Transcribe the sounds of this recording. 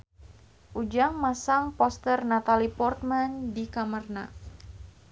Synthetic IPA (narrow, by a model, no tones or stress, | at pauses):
ʔud͡ʒaŋmasaŋpɔst̪ərnat̪alipɔrt̪̚mandikamərna